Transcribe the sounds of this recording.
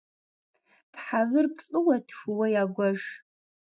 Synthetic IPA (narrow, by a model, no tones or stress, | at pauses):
tħavɨrpɬʼɨwɐtʰxʷɨwɐjaːɡʷɐʒ